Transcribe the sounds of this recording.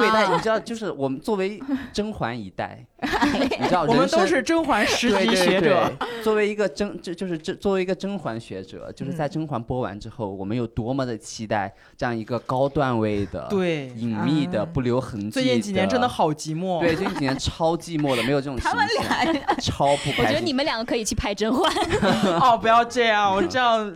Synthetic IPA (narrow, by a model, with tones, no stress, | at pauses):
we˥˧ɪna˥˩jʈ͡ʂɻ̩˥d̪t͡ɕjo˥˧ʊʂɻ̩˥˩wɔ˨˩mə˦nt͡swɔ˥˩we˧˥ɪʈ͡ʂɤ˥ŋxwa˧˥ni˧˥t̪a̰˥˩ɪ˥ | i˨˩˥jɑ˥˩˧ɻə˧ən˦to˧˥ʂɻ̩˥˩ʈ͡ʂɤ˥ŋxwa˧˥nʂɻ̩˧˥e˥ɕɛ˧˥e˨˩t͡swɔ˥˩we˧˥ɪi˧˥ɡə˧ʈ͡ʂɤ˥ŋt͡ɕt͡ɕjo˥˧ʂɻ̩˥˧ʈ͡ʂə˥˧t͡swɔ˥˩we˧˥ɪi˧˥ɡə˧ʈ͡ʂɤ˥ŋxwa˧˥nɕɥɛ˧˥ʈ͡ʂɤ̰˨˩˦t͡ɕjo˥˧ʂɻ̩˥˧t͡sa˥˩ɪʈ͡ʂɤ˥ŋxwa˧˥npwɔ˥wa̰˧˥nʈ͡ʂɻ̩˥xo˥˩ʊwɔ̰˨˩mə˦njo˨˩ʊt̪wɔ˥mə˨d̪ə˩t͡ɕʰi˥t̪a˥˩ɪ | ʈ͡ʂɤ˥˧jɑ˥˩ŋi˧˥ɡə˧kɑ˥ʊt̪wa˥˧nwe˥˩ɪd̪ə̰˩t̪we˥˩ɪi˨˩ŋmi˥˩d̪ə˩pu˥˩ljo˧˥ʊxə˧˥ŋt͡ɕt͡ɕi˥˩t͡ɕi˨njɛ˧˥ʈ͡ʂə˥nd̪ə˨xɑ˨˩ʊt͡ɕi˧˥mwɔ˥˩wɪ˥˩t͡ɕt͡ɕi˨˩n˧jɛ˧˦nʈ͡ʂʰɑ˥ʊt͡ɕi˥˧mwɔ˥˩d̪ə˩me˧˥ɪjʈ͡ʂʈ͡ʂʊ˨˧˩a˥mə˨nljɑ˨˥˨ʈ͡ʂʰɑ˥ʊpʰu˥˩pʰɥɛ˥˧˥ni˨˩mə˦nljɑ˨˩ŋɡə˦˥kʰɤ˧˥i˨˩t͡ɕʰy˥˩pʰa˥˧ɪʈ͡ʂɤ˥ŋxwa˧˥nɔ˥˧˩pu˧˥jɑ˥˧ʊʈ͡ʂɤ˥˧jɑ˥˩ŋwɔ˨˩ʈ͡ʂjɑ˥˩ŋ